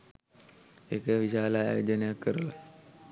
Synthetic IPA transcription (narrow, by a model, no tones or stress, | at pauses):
ekəʋiʃaːlaːjoːd͡ʒənjakːəɾəla